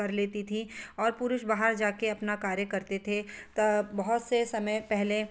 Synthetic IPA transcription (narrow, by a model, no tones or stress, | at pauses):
ɐɾleːt̪it̪ʰiɔːɾpʊɾʊʃbaːɦəɾd͡ʒaːkeɐpnakaːɾjəkɐɾt̪et̪ʰet̪ɐbɐɦʊt̪sesɐməjpɛɦle